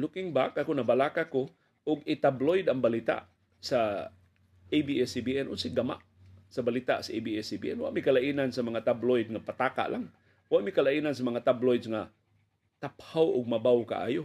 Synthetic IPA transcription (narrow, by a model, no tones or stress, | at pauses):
lʊkɪŋbakakʊnabalakako | ʔʊɡɪt̪ablojd̪aŋbalit̪a̰ʔ | sa | ejbiɛsibiʔɛnʔʊnsɪɡama̰ʔ | sabalit̪a̰ʔsaʔejbiɛsibḭʔɛnwa̰ʔmikalaʔinansamaŋat̪ablojd̪̚ŋapat̪aːka̰ʔlʔaŋ | waʔmikalaʔinansamaŋat̪ablojd̪sŋa | t̪aphawʔʊ̰ɡ̚mabawka̰ʔa̰ːjʊ